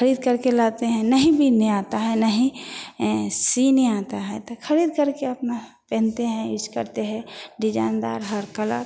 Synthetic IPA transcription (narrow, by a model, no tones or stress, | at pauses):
kəɾiːd̪kəɾkelat̪eɦɛ̃nəɦĩbʱineat̪aɦɛnəɦĩ | sineat̪aɦɛt̪okʰəɾiːd̪kəɾkeɐpna | pɛ̃ːnt̪eɦɛ̃ɪt͡ʃkə̰ɾt̪eɦɛ̃ɖɪd͡ʒa̰ːnd̪a̰ːɾɦəɾkəla̰